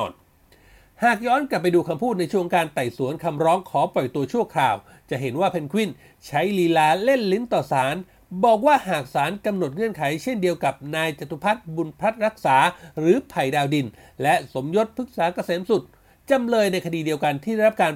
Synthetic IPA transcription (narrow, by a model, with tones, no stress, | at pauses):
ɔ̰ː˨˩n | haː˨˩k̚jɔː˦˥nkla˨˩pːa˧jduː˧kʰa˧mpʰuː˥˩t̪̚na˧jt͡ɕʰu˥˩˨ə˧ŋkaː˧nt̪a˨˩jsu˩˦nkʰa˧mɾɔː˦˥ŋkʰɔː˩˦pɔ˨˩jt̪u˧ɐt͡ɕʰu˥˩ɐkʰlaː˨˩w | t͡ɕa˨˩ʔɦe˩˦nwaː˥˩pʰe˧nkʰwi˥˩n | t͡ɕʰa˦˥jliː˧laː˦˥le˥˩nli˦˥ŋt̪ɔː˨˩saː˩˦n | bɔː˨˩k̚waː˥˩ɦaː˨˩k̚saː˩˦nka˧mno˨˩t̪̚ŋɯ˧˥ənkʰa˩˦jt͡ɕʰe˥˩ndi˧əwka˨˩p̚naː˧jt͡ɕa˨˩t̪ʰːu˦pʰa˦˥t̪̚bu˧npʰa˦˥t̪̚ɾa˦˥k̚saː˩˦ɾɯː˩˦pʰa˨˩jdaː˧wdi˧n | lɛ˦˥ʔso˩˦mjo˦˥t̪̚pʰɯ˦˥k̚saː˩˦ka˧seː˨˩˦msu˨˩t̪̚ | t͡ɕa˧mlɤː˧jna˧jkʰa˧diː˧di˧əwka˧nt̪ʰiː˥˩a˥˩ɾa˦˥p̚kaː˧